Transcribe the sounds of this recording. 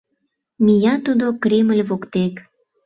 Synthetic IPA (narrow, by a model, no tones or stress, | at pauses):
mijɑt̪ud̪okɾʲeməlʲβokt̪ek